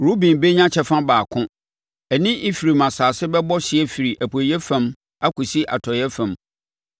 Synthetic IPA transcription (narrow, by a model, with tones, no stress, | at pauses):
ɾu˦bĩ˨nbe˦ɲã˦t͡ɕʰɛ˨fã˦baː˨kʰʊ̃˦ | ɛ˨nɪ̃˦ʔi˦fi˨ɾi˨mã˨saː˨sɪ˦bɛ˦bɔ˦ɕɪ˨ɛ˦fi˨ɾi˨ʔæ˨pʰo˨jɛ˦fã˦m | a˦kʰu˨si˦ʔa̰˨tʰɔ˨jɛ˦fã˨m